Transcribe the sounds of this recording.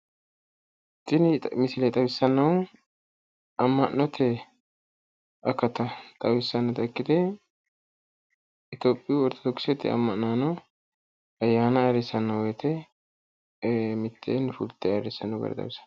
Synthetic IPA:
tʼːɪnɪmɪsɪlɛt̪ʼɐwɪsːɐnːɐw | ɐmːɐnːɔt̪ʰɛ | ʔɐkːɐt̪ɐt̪ʼɐwɪsːɐnːɐt̪ɐkːɪd̪ɛ | ɪt̪oːpʼːɪjwɔɾt̪ːɔ̥d̪ɔkːɪsɛt̪ːɪ̰ɐ̰mːɐʔnnaːnɐ | ɐjːaːnɐɐɾɛsɐnːɐwɔjt̪ʰɛ | mɪt̪ʰːḛːnfʊlt̪ʰːɛɐɾɪsːɐnːɐwɡɐ̰ɾɐ̰t̪ɐ̰bɪsɐ̥n

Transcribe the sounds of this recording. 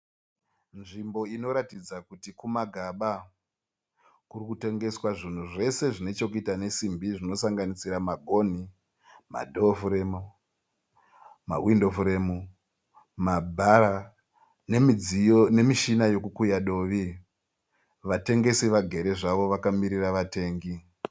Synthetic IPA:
nʐimbo̞ino̞ɾatid͡zakutikumaɡʱaɓa | kurikute̞ŋɡe̞swaʐin̤uʐe̞se̞ʐine̞t͡ʃo̞kuitane̞simbiʐino̞saŋɡanisiɾamaɡʱo̞n̤i | ma̰dʱofremu | ma̰windofre̞mu | mabʱaɾa | nemine̞miʃinajo̞kukujaɗo̞ʋi | ʋate̞ŋɡe̞siʋaɡʱe̞ɾe̞ʐaʋo̞ʋakamiɾiraʋate̞ːŋɡi

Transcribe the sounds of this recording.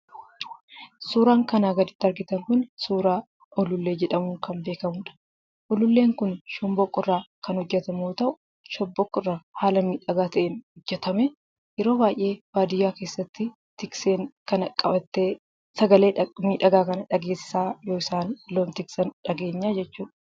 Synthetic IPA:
suːɾaːŋkɐnaːɡɐd̪ɪt̪ːɐɾɡɪt̪ɐŋkʊnsuːɾaː | ʔɔlʊlːe̞ːd͡ʒɛᶑɐmʊŋkɐmbe̞ːkɐmʊːᶑɐ̥ | ʔɔlʊlːeːŋkʊnʃʊmbɔkʼːɪrːaːkɐnhɔd͡ʒːɛt̪ɐmoːt̪ɐʔʊ | ʃɔbːɔkːɪrːaːhaːlɐmiːᶑɐɡaːt̪ɐʔeːnhʊd͡ʒːɛt̪ɐmɛ | jɛɾo̞ːbaːʔjʔe̞ːbaːd̪ɪjaːkeːsːɐt̪ːɪ | t̪ɪkseːŋkɐnɐkʼːɐbɐt̪ːeː | sɐɡɐle̞ːmiːᶑɐɡaːkɐnɐᶑɐɡe̞ːsːaːjoːɪsaːnloːmt̪ɪksɐnᶑɐɡe̞ːɲːaːd͡ʒɛt͡ʃːuːᶑɐ̥

